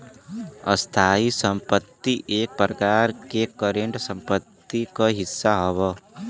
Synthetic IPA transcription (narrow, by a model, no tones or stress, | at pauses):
əst̪ʰaːisə̃mpət̪ːiʔeːk̚pɾəkaːɾkekəɾẽɳʈsə̃mpət̪ːikaɦɪsːaɦoʋa